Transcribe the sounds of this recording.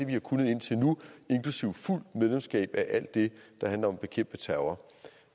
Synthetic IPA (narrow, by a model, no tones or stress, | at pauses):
e̝ʋihɑ̈kʰunð̞̩ˠe̝n̰t͡sʰe̝lnue̝nkʰlusiʊ̰ful̰d̥meðˠlemsɡ̥ɛ̰ːb̥æʔæl̰d̥ːe̝d̥ɑ̈hænlɐɒ̽mb̥e̝kʰem̰b̥ət͡sʰæʊɐ